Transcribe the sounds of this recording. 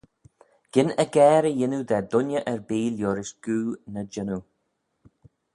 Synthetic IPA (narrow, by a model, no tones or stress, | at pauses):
ɡ̥ɪnəɡɛːɾəjɪnud̪ɛd̪ʊnəʔɛɹbiːljoɾɪʃɡ̥uːnəd͡ʒɪnu